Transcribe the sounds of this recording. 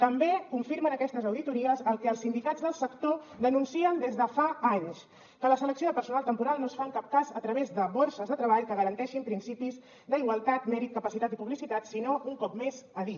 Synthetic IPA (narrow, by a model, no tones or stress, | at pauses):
t̪əmbekuɱfiɾmənəkɛst̪əzəwðit̪uɾiəzəlˠkɛːlsind̪ikad͡zðəlˠsəkt̪oðənunsiənd̪ezðəfaaɲs | kələsələksioðəpəɾsunalˠt̪əmpuɾalˠnosfaŋkap̚kazət̪ɾəβezðəβoɾsəzðət̪ɾəβaʎkəɣəɾənt̪ɛʃimpɾinsipiz | d̪əiɣwəlˠt̪at̪mɛɾit̪̚kəpəsit̪at̪ipuβlisit̪at̪sinouŋkɔpmezəði